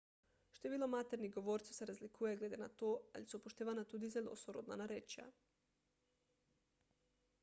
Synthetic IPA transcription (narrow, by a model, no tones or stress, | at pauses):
ʃt̪ojeʋilˠomat̪eɾniɡoʋoɾt̪si̥seɾazlikʰujeɡle̞ːd̪ena̰t̪oːa̰lisupoʃt̪eːʋanat̪uːd̪izelʲo̰soɾod̪na̰naɾet͡ʃa̰